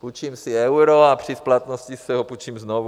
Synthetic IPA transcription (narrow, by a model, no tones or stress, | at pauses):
put͡ʃimsɪɛwɾoapr̝̥ɪsplat̪noscisɛɦoput͡ʃiːmznovu